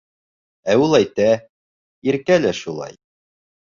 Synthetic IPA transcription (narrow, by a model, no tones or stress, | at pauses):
æulˠæjt̪æ | iɾkælæʃulˠɑ̰j